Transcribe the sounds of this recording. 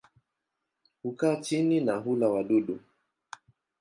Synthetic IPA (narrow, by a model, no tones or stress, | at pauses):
hukat͡ʃininaɦulawaɗuɗu